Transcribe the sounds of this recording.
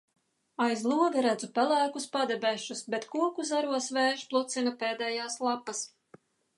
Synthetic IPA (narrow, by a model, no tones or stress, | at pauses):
ajzlˠuɔd̪aɾæd̪zupælˠæːkuspad̪ɛbʲɛʃusbet̪kuɔkuzaɾuɔsveːʃplˠut̪sinapeːd̪ɛːjaːslˠapːɐs